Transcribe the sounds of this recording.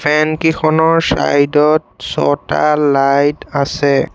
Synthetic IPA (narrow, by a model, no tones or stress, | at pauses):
pʰɛnkixʰɔnɔɹsa̰jdɔt̚sɔ̰talajtasɛ